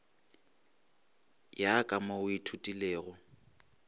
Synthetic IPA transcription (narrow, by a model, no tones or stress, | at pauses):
jakʼamaʊitʰutʼileːɣɔ